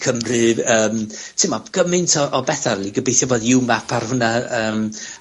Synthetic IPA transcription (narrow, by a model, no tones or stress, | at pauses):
kʰəmrɨvəːmtʰɪmɔɡ̥əmɪntʰɔʔɔbɛθarlˠiɡəbejθjɔvɔðɪwmapʰarhʊnaəːm